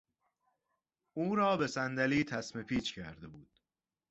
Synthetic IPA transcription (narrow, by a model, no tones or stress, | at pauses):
uːɾɒːbe̞sænd̪æliːt̪ʰæsme̞pʰiːt͡ʃcʰæ̰ɾd̪e̞buːd̪̥